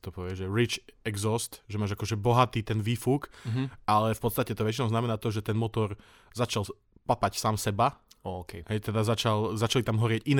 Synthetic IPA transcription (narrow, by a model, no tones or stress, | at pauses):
t̪ɔpɔʋɪɛʒɛɾit͡ʃɛɡzɔst̪ʒɛmaːʒakɔʒɛbɔɦat̪iːt̪ɛnʋiːfukʔalɛfpɔt̪st̪acɛt̪ɔʋɛt͡ʃinɔʊznamɛnaːt̪ɔʒɛt̪ɛnmɔt̪ɔɾ | zat͡ʃal | papacsaːmsɛbaɔkɛɦɛjt̪ɛd̪azat͡ʃalzat͡ʃalit̪amɦɔɾɪɛɟin